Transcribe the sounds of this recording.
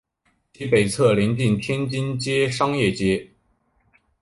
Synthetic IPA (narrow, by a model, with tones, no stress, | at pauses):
t͡ɕi˧˥pe˨˩ɪt͡sʰɤ˥˩lɛ˧˥nt͡ɕi˥˩nt̪ʰjɛ˥nt͡ɕi˥nt͡ɕjɛ˥ʂɑ˥ŋjɛ˥˩t͡ɕjɛ˥